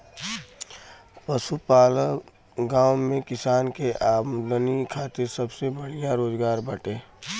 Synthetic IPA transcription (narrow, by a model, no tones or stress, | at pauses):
pəsupaːlə | ɡãːʊmẽkɪsaːnkeʔaːd̪ənikʰaːt̪ɪɾsəbsebəɽijãɾoːzɡaːɾbəʈeː